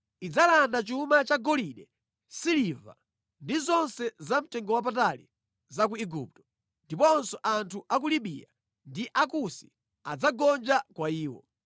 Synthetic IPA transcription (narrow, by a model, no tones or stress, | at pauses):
id͡zalandat͡ʃuumat͡ʃaɡɔliɗɛ | siliva̰ | ndizɔnsɛzam̩tɛŋɡɔwap̬atalḭ | zak̬uiɡup̚tɔ̥ | ndipɔnsɔʔantʰuʔak̬uliɓḭja̰ | ndiʔakusi̥ | ad͡zaɡɔnd͡ʒakwaiːwɔ̰